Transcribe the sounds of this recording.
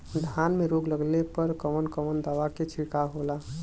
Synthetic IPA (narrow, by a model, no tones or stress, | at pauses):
d̪ʱanmeɾoɡləɡlepəɾkəmənkəmənd̪aʋaket͡ʃʰikaɦola